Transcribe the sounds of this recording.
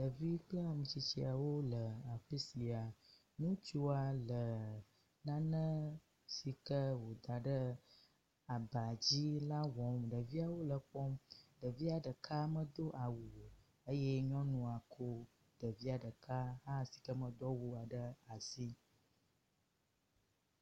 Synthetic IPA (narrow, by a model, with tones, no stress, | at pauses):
ɖə˨vi˦k͡pə˦a˨mũ˨t͡ɕi˨t͡ɕi˨a˨wo˦lə˨a˨ɸi˦si˨a˨ | nũ˦t͡ʃu˦a˨lə˨ | nã˦nə̃˦ | si˨kə˦wo˨d̪a˨ɖə˦ | a˨ba˨d͡ʑi˦la˦wɔ̃˨˦mɖə˨vi˦a˨wo˦lə˨k͡pɔ˦mɖə˨vi˦a˨ɖə˨kʰa˦mə̃˦d̪o˦ʔa˨wu˨ | ə˦je˦ɲɔ̃˦nũ˦a˨kʰo˦ | ɖə˨vi˦a˨ɖə˨ka˦ɦa˦si̥˨kə˦mə̃˦d̪ɔ˦wu˦a˨ɖə˦a˨si˦